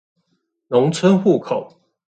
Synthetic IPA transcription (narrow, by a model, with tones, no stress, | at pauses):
nʊ˨˦ŋt͡sʰə˦nxu˥˨kʰo˨˩˦ʊ